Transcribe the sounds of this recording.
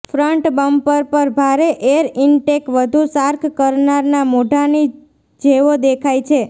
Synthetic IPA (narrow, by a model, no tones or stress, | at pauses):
fɾəɳʈbəmpəɾpəɾbʱaɾeʔeəɾɪɳʈekʋəd̪ʱusaɾkʰkəɾnaɾnamoɖʱani | d͡ʒeʋod̪ekʰajt͡ʃʰe